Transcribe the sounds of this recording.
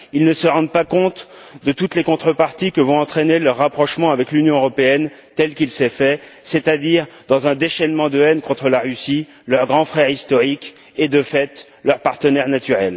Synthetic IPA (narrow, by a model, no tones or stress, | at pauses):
ilnəsəʁɑ̃d̪̚pakɔ̃t̪d̪ət̪ut̪lekɔ̃t̪χəpaʁt̪ikəvɔ̃ɑ̃t̪χenelœʁːapχɔʃmɑ̃avɛklynjɔ̃øʁɔpeɛn | t̪ɛlkilsɛfɛset̪ad̪iʁd̪ɑ̃zɛ̃d̪eʃɛnmɑ̃d̪əɛnkɔ̃t̪χəlaʁysi | lœʁɡʁɑ̃fχɛʁist̪ɔʁik | ed̪əfɛt̪ | lœʁpaʁt̪ənɛʁnat̪yʁɛl